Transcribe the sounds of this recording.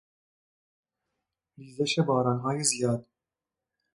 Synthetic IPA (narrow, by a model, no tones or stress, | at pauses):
liːzɛʃebɑːɾɑːnɦɑːjizijɑːd̪